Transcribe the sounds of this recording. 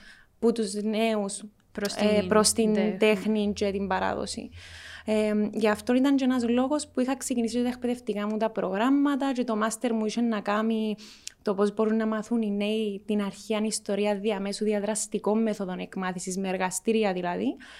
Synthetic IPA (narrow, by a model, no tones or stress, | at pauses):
put̪uzneus | spɾo̞st̪int̪exnint͡ʃet̪imbɐɾɐ̰ðo̰sḭeɟɐft̪o̞nit̪ɐɲd͡ʒoenɐzlo̞ɣo̞spuixɐksecinis̬ioɐekpeðeft̪ikɐmut̪ɐpɾo̞ɣɾamːɐt̪ɐcet̪o̞mɐst̪e̞ɾmuiʃenːɐkɐmit̪o̞po̞zbo̞ɾunːɐmɐθunine̞it̪inɐɾçiɐnist̪o̞ɾiɐðiɐmesuðiɐðɾɐst̪iko̞mːeθo̞ðo̞nekmɐθisizmeeɾɣɐst̪iɾiɐðilɐði